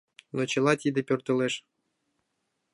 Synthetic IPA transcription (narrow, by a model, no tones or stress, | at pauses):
not͡ɕɤ̆lˠɑt̪ʲid̪ɘ̆pʲørt̪ɤ̆leʂ